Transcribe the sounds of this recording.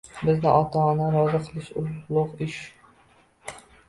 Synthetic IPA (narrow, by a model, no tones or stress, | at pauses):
bɪznɪʔɒt̪ʰɒnɪɾɒzɨqʰɨlˠɪʃʊzlˠʊqɪʃ